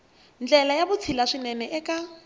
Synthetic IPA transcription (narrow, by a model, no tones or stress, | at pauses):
nd͡ɮɛlajabʊt͡sʰilaʂinɛnɛʔɛkʼa